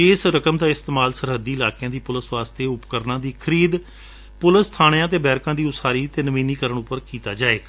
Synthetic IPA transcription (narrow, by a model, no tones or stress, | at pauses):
ɪːsɾəkəmd̪aːɪst̪eːmaːlsəɾɦəd̪ːiːlaːkɪjãːd̪iːpʊləsʋaːst̪eːʊpkəɾnãːd̪iːkʰəɾiːd̪ | pʊləst̪ʰaːɽ̃jãːt̪̬eːbɛːɾkãːd̪iːʊsaːɾiːt̪eːnəʋĩːniːkəɾəɳʊpːəɾkiːt̪a̰ːd͡ʒaːeːkː